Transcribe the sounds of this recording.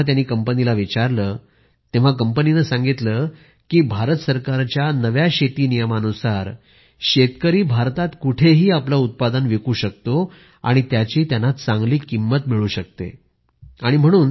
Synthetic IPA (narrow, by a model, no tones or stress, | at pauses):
t̪̬janiːkəmpənilaʋit͡ɕaɾləː | t̪eʋ̤akəmpəninəsãŋɡit̪lə | kiːbʱaɾət̪səɾkaɾt͡ɕjanəʋjaɕet̪iːnijəmanusaɾ | ɕet̪kəɾiːbʱaɾt̪at̪kuʈʰeɦiːaplaut̪̚pad̪ənʋekuːɕək̚t̪o | a̰ɽ̃it̪jat͡ɕiːt̪janat̪t͡sãŋɡliːkimːət̪miɭuːɕək̚t̪ḛ | aɽ̃im̤əɽ̃uːn